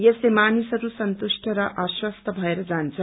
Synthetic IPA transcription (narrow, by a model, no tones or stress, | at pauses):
jeslemanisʌɾusʌnt̪usʈʰʌɾʌʔaswʌst̪ʰʌbʱʌeɾʌd͡zant͡sʰʌ